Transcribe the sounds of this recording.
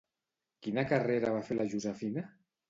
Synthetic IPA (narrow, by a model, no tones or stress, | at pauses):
kinakareɾaβ̞afelʔaʒuzɛfina